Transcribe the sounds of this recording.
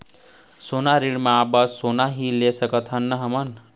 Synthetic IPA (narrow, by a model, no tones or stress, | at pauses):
sonaɾiɽmaːbasonaɦilesəkʌt̪ʰɦʌnːʌɦəmʌn